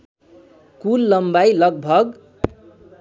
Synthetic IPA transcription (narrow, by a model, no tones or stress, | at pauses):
kulːʌmbajlʌɡ̚bʱʌɡ